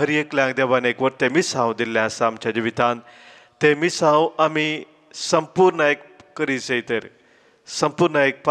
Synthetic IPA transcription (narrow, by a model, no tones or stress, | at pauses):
ɦəɾijeklãŋɡd̪eʋanekʋəɾt̪emisãʋd̪ilːjãsaːmt͡ɕad͡ʑiʋit̪ãn | t̪emisãwami | səmpuɾɳaekkəɾisejt̪eɾ | səmpuːɾnəek̚p